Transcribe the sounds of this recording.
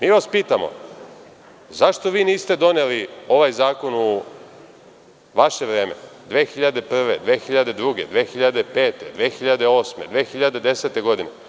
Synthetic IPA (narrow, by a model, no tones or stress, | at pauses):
miːʋaspiːt̪amo̰ | zaʃt̪o̞ʋiːniːst̪e̞d̪o̞nelio̞ʋajzaːko̞nu | ʋaʃeʋɾeːme̞̰d̪ʋeːxiʎad̪e̞pr̩ʋe̞d̪ʋeːxiʎad̪e̞d̪ɾuɡe̞d̪ʋeːxiʎad̪epe̞ːt̪ed̪ʋeːxiʎad̪eo̞ːsme̞d̪ʋeːxiʎad̪e̞d̪e̞set̪e̞ɡo̞d̪ine